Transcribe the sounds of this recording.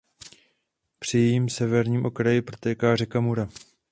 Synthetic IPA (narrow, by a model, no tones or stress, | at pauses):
pr̝̥ɪjɛjiːmsɛvɛɾɲiːmʔo̞kɾajɪpɾo̞t̪ɛːkaːrɛkamuɾa